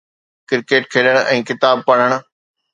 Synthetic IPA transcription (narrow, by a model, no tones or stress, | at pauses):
kɪɾkeːʈkʰeːləɽ̃ʔɛ̃ːkɪt̪aːb̚pɐɽ̃əɽ̃̆